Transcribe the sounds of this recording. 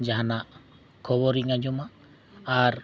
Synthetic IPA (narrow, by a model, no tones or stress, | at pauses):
d͡ʒaɦanaʔ | kʰɔbɔɾiŋad͡ʒɔmaʔ | aɾ